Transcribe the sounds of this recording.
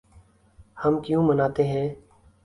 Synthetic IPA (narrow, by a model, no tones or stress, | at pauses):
həmkjũːmənaːt̪eːɦɛ̃ː